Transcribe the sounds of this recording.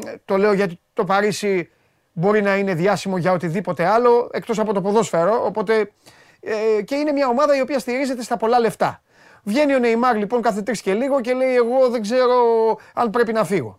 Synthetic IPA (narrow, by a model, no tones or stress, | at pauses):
t̪o̞le̞o̞ʝɐt̪̬it̪o̞pɐɾisi | bo̞ɾinɐine̞ðjɐsimo̞ʝɐo̞t̪iðipo̞t̪e̞ɐlo̞e̞kt̪o̞sɐpo̞t̪o̞poðo̞sfeɾo̞ʔːpo̞t̪e̞ | ce̞ine̞mɲɐo̞mɐðɐio̞piɐst̪iɾize̞t̪e̞st̪ɐpo̞lɐle̞ft̪ɐ | vʝe̞nione̞imɐɾlipo̞ŋkɐθet̪ɾisce̞liɣoce̞le̞ie̞ɣo̞ðe̞ɡze̞ɾo̞ɐnpɾe̞pinɐfiɣo̞̰